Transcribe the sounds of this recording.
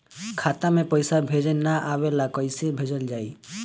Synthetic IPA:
kʰat̪amẽpəjsabʱed͡ʒenaʔawelakɔjsebʱed͡ʒəld͡ʒaːi

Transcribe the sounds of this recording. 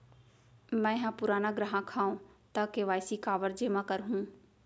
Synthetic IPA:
mɛ̃ɦãpʊɾaːnãɡɾaɦãkʰaːõt̪ɐkeʋaːjsikaːʋəɾd͡ʒeːmãkɐɾɦũː

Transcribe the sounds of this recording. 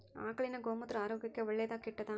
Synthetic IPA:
a̰ːkɐɭɪnɐɡoːmɐt̪ɾɐaːɾoːɡɪkːɐʋɛɭːejðaːkɪʈːɐt̪ãː

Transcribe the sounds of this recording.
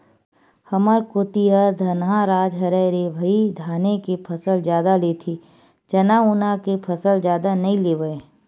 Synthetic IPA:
hɐməɾkot̪ijad̪ʱɐnɦaɾaːd͡ʒɦɐɾɛɾebʱəid̪ʱaːnekepʰəsəld͡ʒjaːd̪alet̪ʰi | d͡ʒɐnaʊnakepʰəsəld͡ʒjaːd̪anɐĩleːʋəe

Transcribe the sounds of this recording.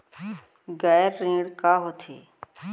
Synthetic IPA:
ɡaːjɾːĩːɽkaːɦot̪ʰḛː

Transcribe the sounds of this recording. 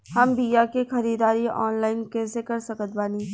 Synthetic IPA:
hɐmbijakexɐɾiːd̪aːɾiɔ̰ːnlaːɪnkɛːsekɐɾsɐkət̪̚baːniː

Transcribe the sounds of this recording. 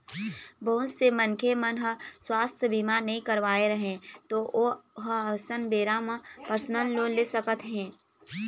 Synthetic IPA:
bəɦʊsemənkʰemənɦəswaːst̪ʰjəbʱimanəɦĩkəɾʋaːeɾɐɦẽt̪oːʔoːɦəɐsənbeːɾamə̃pəɾsnəlloːnleːsəkət̪ɦɛ̃ː

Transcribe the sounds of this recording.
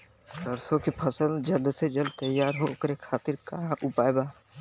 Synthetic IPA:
səɾsõkipʰəsəld͡ʒəld̪sed͡ʒəld̪̚t̪əjːaːɾɦoːkəɾekʰːaːt̪ɪɾkaːɽãʔʊpaːebaː

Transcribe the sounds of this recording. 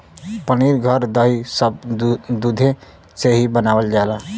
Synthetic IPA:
pəniːɾɡʱəɾd̪əɦisəb̚d̪ud̪ʱẽ | seɦibənaːwəld͡ʒaːlaː

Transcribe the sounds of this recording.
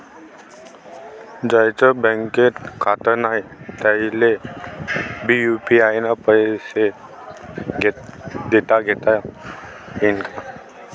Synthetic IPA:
d͡ʒajt͡ʃəbɛ̃ŋket̪kʰat̪ənaet̪əile | bijupiaːjnapəse | ɡd̪et̪aɡet̪a | inka

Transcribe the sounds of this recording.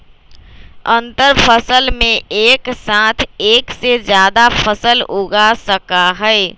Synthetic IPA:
ə̃nt̪əɾpəsəlmẽeːksãːt̪ʰeːksezjaːd̪afʰəsəlʊɡasəkaɦɛɛ

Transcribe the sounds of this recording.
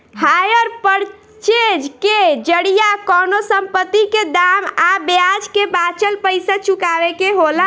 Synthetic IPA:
hajəɾpəɾ | t͡ʃed͡ʒked͡ʒəɽijakɔnosəmpət̪ːiked̪amabejad͡ʒkebat͡ʃəlpəjsat͡ʃukaʋekeɦola

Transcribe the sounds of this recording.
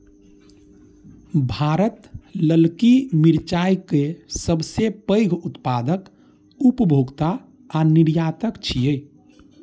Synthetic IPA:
bʱaːɾət̪ləlkimiɾt͡ʃajkesəbsepəɪɡʱut̪paːd̪ək | upəbʱoɡt̪aː | niɾjaːt̪əkt͡ʃʰijə

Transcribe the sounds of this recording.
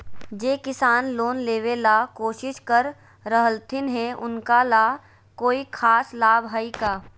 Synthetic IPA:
d͡ʒeːkɪsaːnloːnleːwelakoːʃɪʃkəɾ | ɾəɦəlt̪ʰɪnɦɛʊnkalaː | koːikʰaːslaːbɦaikaː

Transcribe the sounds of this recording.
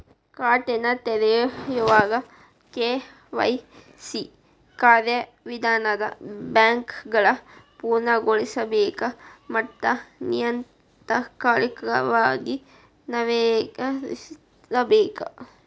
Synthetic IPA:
kaːʈenɐt̪eɾejjuʋaːɡɐ | keː | ʋɐ̰j | si | kaːɾjɐ | ʋid̪ʱaːnɐd̪ɐ̰baːŋkɡɐɭɐpuːɾnɐɡoɭisɐbeːkɐmɐʈ̪ːɐnijɐn | t̪ɐkaːɾjɐkɾɐ̰ʋaːɡi | nɐʋeːɡɐ | ɐbeːkɐ

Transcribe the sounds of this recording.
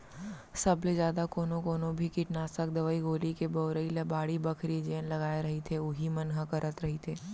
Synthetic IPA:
sɐbled͡ʒjaːd̪akoːnõkoːnõbʱikɪʈnaːsək̚d̪ɐʋəiɡoːlikeboːɾəilɐbaːɽibɐkʰɾid͡ʒeːnlɐɡaːeɾɐɦit̪ʰeʊɦimɐnɦakɐɾʔət̪ɾɐɦit̪ʰeː

